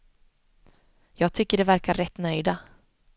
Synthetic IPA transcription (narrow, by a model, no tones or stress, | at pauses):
jɑːɡ̚t̪ʰʏkːəɖɛvæɾkaɾɛt̪ːnœjd̪a